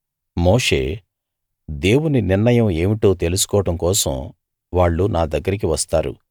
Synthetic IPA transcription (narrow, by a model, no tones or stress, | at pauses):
moːʂe̞̰ː | d̪e̞ːwuniniɾnɐjɐme̞ːmiʈoːt̪e̞lusu̥kɔːɐʈɐmkɔːsɐ̰m | ʋaːɭːunaːd̪ɐɡːɐɾik̬iʋɐst̪aːɾṵ